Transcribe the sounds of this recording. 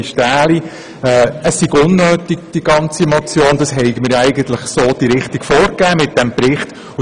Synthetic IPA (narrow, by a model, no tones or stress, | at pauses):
ʃtæːli | ɛəsːɪɡʊnːøːtiɡ̥̚d̥iɡ̥ɑnt͡simot͡sjoːnd̥̪ɑsɦɛɪɡəmɪɾjæɪɡən̩t̪ləχsoːd̥iɾɪχtiɡ̥foːɾkæːmɪt̚d̥ɛmpɾɪχt | ʊ